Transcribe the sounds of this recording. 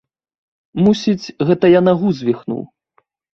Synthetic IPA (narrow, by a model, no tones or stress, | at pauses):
musʲit͡sʲɣɛt̪ɐjanɐɣuzʲvʲixnṵw